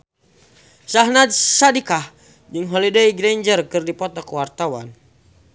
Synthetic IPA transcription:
saɦnad̪̚sadikah | d͡ʒɨŋɦɔlidaiɡɾɛɲd͡ʒərkɨrdipɔt̪ɔkwart̪awa̰n

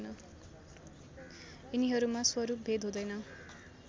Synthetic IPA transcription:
nʌ | iniɦʌɾumaswʌɾup̚bʱed̪ɦõd̪ʌjnʌ

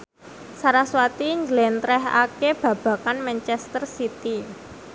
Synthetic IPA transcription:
saɾaswat̪iɲd͡ʒəlɛnt̪ɾɛɦa̰keb̥ä̤b̥ä̤kanmɛnt͡ʃɛst̪ərsit̪i

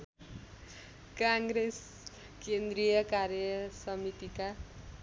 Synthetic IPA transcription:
kãŋɡɾes | kend̪rijʌkaɾjʌsʌmit̪ika

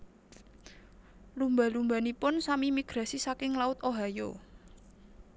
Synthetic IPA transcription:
lumba̤lumba̤nipʊnsamimiɡ̥ɾa̤sisakɪŋlaʊt̪oɦajo

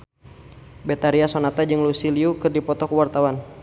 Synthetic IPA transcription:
bɛt̪aɾiasonat̪ad͡ʒɨŋlusiliukɨrdipɔt̪ɔkuwart̪awan

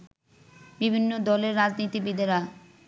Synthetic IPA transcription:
bibʱinːod̪ɔleɾːad͡ʑnit̪ibid̪ʱeɾa

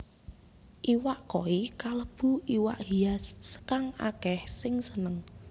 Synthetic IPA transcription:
ʔiwaʔkoikaləb̥ṳʔiwa̰ʔhiasːə̥kaŋa̰kɛhsɪŋsənəŋ

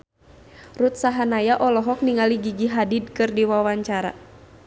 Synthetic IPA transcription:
rut̪̚saɦanajaʔɔlɔɦɔk̚niŋaliɡiɡiɦadid̚kɨrdiwawaɲt͡ʃaɾa̰

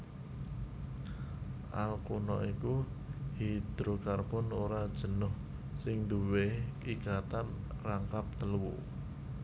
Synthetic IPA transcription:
ʔa̰lkunɔʔiku | hid̪̥ɾukarbʊnoɾad̥ʒ̥ə̤nʊh | sɪŋd̪uwekikat̪an | raŋkap̚t̪əlwṵ

